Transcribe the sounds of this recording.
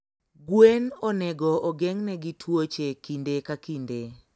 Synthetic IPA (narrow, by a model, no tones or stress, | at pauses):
ɡwenɔnɛɡɔɔɡɛŋnɛɡitʰwot͡ʃekindekakinde